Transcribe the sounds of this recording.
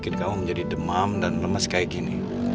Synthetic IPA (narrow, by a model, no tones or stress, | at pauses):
kɪnkamuməɲd͡ʒadidəmamdanləməskaiɡinḭ